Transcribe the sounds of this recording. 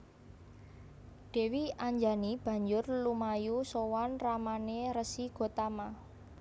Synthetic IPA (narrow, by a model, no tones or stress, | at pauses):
ɖ̪̥e̤wiaɲd͡ʒanib̥ä̤ɲd͡ʒʊrlumajusowanramaneɾəsiɡ̥o̤t̪ama